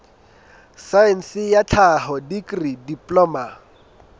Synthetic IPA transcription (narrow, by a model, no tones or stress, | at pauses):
saɛn̩sɪjat͡ɬʰaɦɔdikridipʼlɔːma